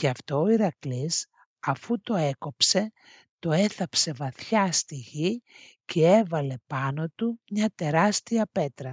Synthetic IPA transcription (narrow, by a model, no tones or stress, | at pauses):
cɐft̪o̞ːiɾɐklis | ɐfut̪o̞e̞ko̞pse̞ | t̪o̞e̞θɐpse̞vɐθçɐst̪iʝi | ce̞e̞vɐle̞pɐno̞t̪umɲɐt̪e̞ɾɐst̪iɐpe̞t̪ɾɐ